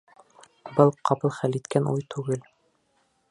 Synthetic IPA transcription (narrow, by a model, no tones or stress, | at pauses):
bɤlˠqɑpɤlˠχælit̪kænʔujt̪ʰʉɡɘl